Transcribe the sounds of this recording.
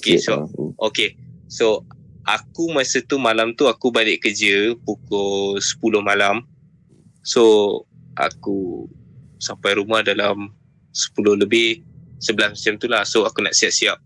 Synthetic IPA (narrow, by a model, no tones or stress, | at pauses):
okesookeso | ʔa̰kumasət̪umalamt̪uakubalɪʔkəd͡ʒəpukosə̥pulʊhmalam | soʔa̰ku | sampajɾumahdalam | sə̥pulʊhləbɪhsəbəlasmət͡ʃamt̪ulahsoakuna̰ʔsiap̚siap̚